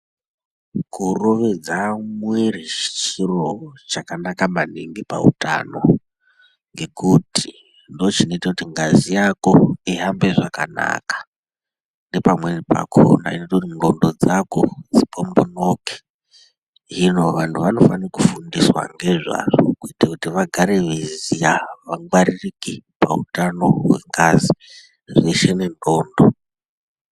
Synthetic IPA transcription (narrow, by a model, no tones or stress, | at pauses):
kuro̞ʋe̞d͡zamwerit͡ʃt͡ʃi̥siro̞t͡ʃakanakamaneŋɡipa̰ṵta̰no̞̰ | ŋɡe̞kuti̥ | ndot͡ʃino̞itakutiŋɡazijako̞iɦambe̞ʐakana̰kḁ | nde̞pamweripa̰kʰo̰na̰inotakutimuro̞ndo̞d͡zako̞d͡zipombo̞noke̥ | ino̞ʋantʰuʋano̞fanirakufundiswa̰ŋɡe̞ʐa̰ʐokuitakutiʋaɡʱaɾe̞ʋezijaʋaŋɡwaririkipa̰utano̞ɦwe̞ŋɡazi | ʐeʃene̞ndoːndo